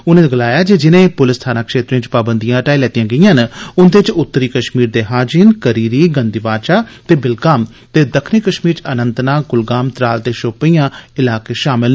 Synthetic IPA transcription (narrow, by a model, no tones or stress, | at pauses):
ʊnẽːɡəlaːjaːd͡ʒeːd͡ʒɪnẽːpʊlɪst̪ʰaːnaːkʃeːt̪ɾẽːt͡ʃpaːbənd̪ijãːʈaːilɛːt̪ijãːɡəĩãːɦnʊnd̪et͡ʃʊt̪ːəɾiːkəʃmiːɾd̪eːɦaːd͡ʒinkəɾiːɾiːɡənd̪iːbaːt͡ʃaːt̪eːbɪlkaːm | t̪eːd̪əkʰniːkəʃmiːɾt͡ʃənənt̪naːɡʊlɡaːmt̪ɾaːlt̪eːʃoːpijãːɪlaːkeːʃaːmɪl